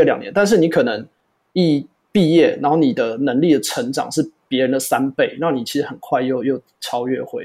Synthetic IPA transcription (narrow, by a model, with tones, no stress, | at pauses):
ljɑ̰˨ŋnɛ˦nt̪a˥˧nʂ̬̩˥˩ni˧˥kʰɤ˨˩nə˧˦ŋ | i˥˩ | pi˥˧jɛ˥˩na̰˧˦nxo˥˩ni˨˩d̪ə˦nə˧˦˥ŋli˥˩d̪ə˩ʈ͡ʂʰə˧˥ŋʈ͡ʂɑ̰˨˩ŋʂɻ̩˥˩pjɛ˧˦˥ɻə˧˦nd̪ə˨sa˦˥npe˥˩ɪna˥˩ni˨˩t͡ɕʰi˧˥ʂɻ̩˧˥xə˨˩nkʰwa˥˧ɪjo˥˧ʊjo˥˩ʊ | ʈ͡ʂʰɑ˥ʊɥɛ̰˥˩xwe˧˥ɪ